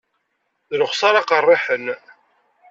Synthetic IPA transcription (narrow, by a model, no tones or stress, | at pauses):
ðɾʊχsɑɾɑqərˤːɪħən